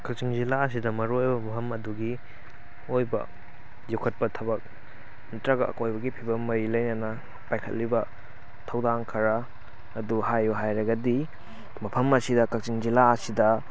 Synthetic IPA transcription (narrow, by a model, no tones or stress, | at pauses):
kɐk̚t͡ʃiŋzilaɐs̬idɐmɐɾojbɐmɐpʰɐmɐduɡi | ojbɐ̰ | zukʰɐt̚pɐtʰɐbɐk̚ | mɐtɾaɡɐʔɐ̰kojbɐɡipʰibɐmːɐɾilɐjnɐnɐ | pajkʰɐ̰t̚libɐ | tʰɐwdaŋkʰɐɾɐː | duhajuɦajɾɐɡɐdi | mɐpʰɐmɐsidɐkɐk̚t͡ʃiŋzilaɐsidɐ